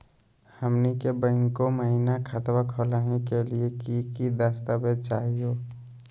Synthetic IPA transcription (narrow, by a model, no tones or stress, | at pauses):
həmnikebə̃ːŋkoməɦinakʰət̪wakʰoːlaːnekeliekikid̪aːst̪abed̪̚t͡ʃaːɦijoː